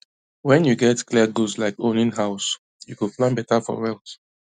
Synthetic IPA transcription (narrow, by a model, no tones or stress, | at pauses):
wɛ̃njuɡɛtkliaɡuslaɪkõnĩnɦaʊs | jukuplãnbɛtafɔ̰ɹɛlˠt